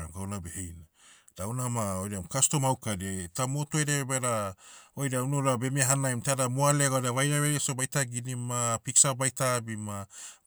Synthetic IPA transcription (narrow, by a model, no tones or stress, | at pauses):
a̰mɡawnabehejna | d̥awnamaojɾamkasto̞mawkadietamo̞tueɾebeɾaojɾaunoɾabe̞miaɦanajmtadamoaleɡaojɾavajɾaβeɾesobajtaɡinimapiksabajtabima